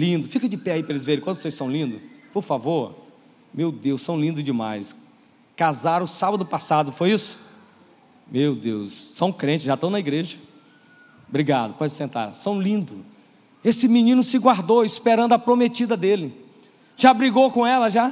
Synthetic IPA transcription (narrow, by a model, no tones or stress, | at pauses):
lĩnd̪ʊfikɐ̃d͡ʒɪpɛaipɐɾɐelɪzveɾẽkwɐ̃d̪vosejsɐ̃w̃lĩnd̪ʊpoɾfavoɾ | mewd̪ewssɐ̃w̃lĩnd̪ʊd͡ʒɪma̰js | kazaɾʊsabɐd̪ʊpasad̪ʊfojisʊ̥ | mewd̪ewsːɐ̃w̃kɾẽt͡ʃɪzʒat̪ɐ̃w̃nɐiɡɾeʒɐ | bɾiɡad̪ʊpɔd͡ʒɪsẽnt̪a̰ɾsɐ̃w̃lĩnd̪ʊ | esɪmĩnĩnʊsɪɡwaɾd̪oispeɾɐ̃nd̪ʊɐpɾomet͡ʃid̪ɐd̪elɪ | ʒabɾiɡowkõɛlɐʒa